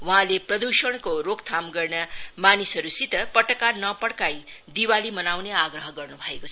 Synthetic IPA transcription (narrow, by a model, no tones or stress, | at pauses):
wʌɦãleprʌd̪usʌɽ̃koɾokt̪ʰamɡʌrnʌmanisʌɾusit̪ʌpʌʈʌkanʌpʌɽkaj | d̪iwalimʌnawneaɡɾʌɦʌɡʌrnubʱʌekot͡sʰʌ